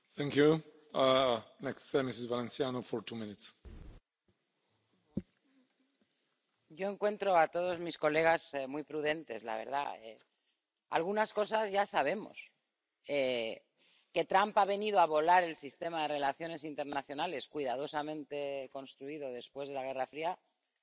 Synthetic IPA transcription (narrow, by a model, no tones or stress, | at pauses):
θɛ̃ŋkju | nɛkssemisɪzvalẽnsjanofɔ˞tʰumɪ̃nɪts | ʝo̞e̞ŋkwe̞nt̪ɾo̞at̪o̞ð̞o̞zmisko̞le̞ɣ̞azmujpɾuðe̞nt̪e̞̰zla̰β̞e̞̰ɾð̞a̰ḛ | a̰lɣ̞unasko̞sazʝasaβ̞e̞mo̞̰s | e | ke̞t̪ɾampaβ̞e̞nið̞oaβ̞o̞laɾe̞lsist̪e̞maðe̞re̞laθjo̞ne̞sint̪e̞ɾnaθjo̞nale̞skwiðað̞o̞samẽ̞nt̪e̞ko̞nst̪ɾuiðo̞ðe̞spwe̞zð̞e̞laɣ̞e̞rafɾia